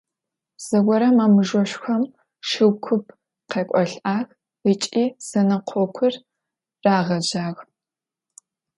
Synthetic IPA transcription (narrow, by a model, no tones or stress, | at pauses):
z̥ɐɡʷɔɾɐmaːmɨʒʷɔɕʷxɐm | ʃɨwkʷʰʊpʰ | qʰeːkʷʼɔɬʔaːx | it͡ʃʼiːz̥ɐnɐqʷʰɔkʷʰʊr | raːʁɐʑaːɣ